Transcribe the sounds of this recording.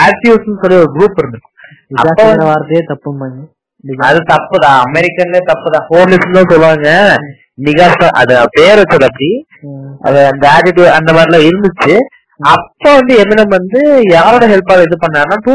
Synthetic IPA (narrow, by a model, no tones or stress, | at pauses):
aːɾʈjuːsnɯsɔlːiɔɾɯɡɾuːpːɪɾɯnd̪ɯkː | ɐ̰pːoːʋɐaːɾt̪ɐet̪ɐpːɯmɐɲ | ɐðɯt̪ɐpːɯðãːɐmɛɾɪkːɐnleːt̪ɐpːɯðãːhoːmlɪsɐnt̪ãːsɔlːɯɾaːŋɡɐ | mɪɣaːsaʔɐ̰ðɯpeːɾɐt͡ʃːɐlːɐpːɐɽi | ɐ̰ðɯɐnd̪ɐaːʈɪʈjuːɐnd̪ɐmaːɾlãːɪɾɯnd̪ɯt͡ʃːɯ | ɐpːoːʋɐnd̪ɯɛmɪnɐmʋɐnd̪ɯjaːɾoːɽɐɦɛlpaːlɛðɯpɐɳːaːɾnaːʈuː